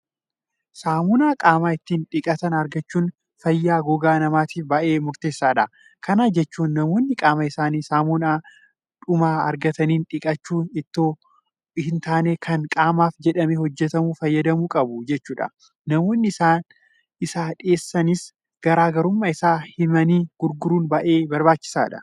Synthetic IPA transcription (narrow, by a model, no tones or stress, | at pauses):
saːmuːnaːkʼaːmaːɪt̪ːiːnᶑɪkʼɐt̪ɐnɐɾɡɐt͡ʃːuːn | fɐjːaːɡɔɡaːnɐmaːt̪iːfbɐʔe̞ːmʊɾt̪e̞ːsːaːᶑɐ | kʰɐnaːd͡ʒɛt͡ʃːuːnːɐmoːnːɪkʼaːmɐɪsaːniːsaːmunaː | ᶑʊmaːɐ̰ɾɡɐt̪ɐniːnᶑɪkʼɐt͡ʃːuːnɪt̪ːoː | hɪnt̪aːneːkʰɐŋkʼaːmaːfd͡ʒɛᶑɐmehɔd͡ʒːɛt̪ɐmuːfɐjːɐd̪ɐmuːkʼɐbʊd͡ʒɛt͡ʃːuːᶑɐ̰ | nɐmoːnːɪɪsaːn | ɪsaːᶑɪeːsːɐnɪs | ɡ̥ɐɾaːɡɐɾʊmːɐɪsaːhɪmɐniːɡ̥ʊɾɡʊɾuːnbɐʔe̞ːbɐɾbaːt͡ʃːɪ̥sa̰ːᶑɐ̰